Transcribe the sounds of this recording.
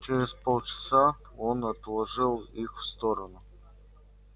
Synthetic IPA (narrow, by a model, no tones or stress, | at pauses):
t͡ʃɪɾʲɪzpolˠt͡ʃɪ̥sa | onɐt̪lˠɐʐɨlˠixfst̪oɾənʊ